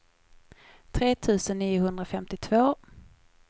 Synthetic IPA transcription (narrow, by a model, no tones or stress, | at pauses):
t̪ʰɾeːt̪ʰʉ̟ːsənːiːjʊɦɵnd̪ɾafɛmt̪ɪt̪ʰvoː